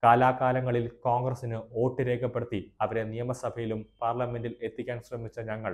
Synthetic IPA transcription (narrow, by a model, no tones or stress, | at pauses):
kaːlaːkaːlɐŋːɐɭilkoːŋɡrɐsinɨo̞ːʈːɨɾe̞ːkʰɐpːe̞ɽut̪ːiɐʋɐɾe̞nijɐmɐsɐbʱɐjilumpaːrlɐme̞ndile̞t̪ːikʲːaːnɕrɐmit͡ɕːɐɲɐŋːɐɭ